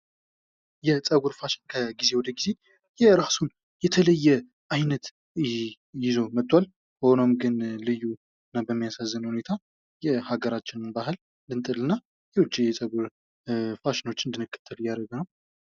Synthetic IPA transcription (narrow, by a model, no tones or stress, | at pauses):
jɛt͡sʼəɡuɾfaʃɪ̥nkʰəɡizewɔd̪əɡize̞ | jɛɾasun | jɛt̪ʰələjːɛ | ʔajnət̪ | jɪzo̞mət̪ʼːwal | həhonomɡɨnlɨjːu | ɨnːabəmːijasazːənhune̞t̪ʰa | jɛhaɡəɾat͡ʃːɪnɨnbaɦɨl | nd̪ɨnt̪ʼɨlɨnːa | jɛwʊd͡ʒːijɛt͡sʼəɡuɾ | faʃɪno̞t͡ʃːɨnd̪ɨnːɨkʰːə̥t̪ʰːəljaɾəɡənəw